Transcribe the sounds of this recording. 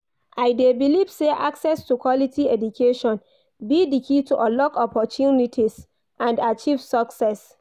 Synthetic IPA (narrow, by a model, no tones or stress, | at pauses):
ʔaɪdebilivseʔaksɛstukwɔlitʰiɛdukʰeʃɔ̃n | bidikʰituʔɔlɔkɔpɔtʰjunitʰis | ʔãndat͡ʃiv̥sɔksɛs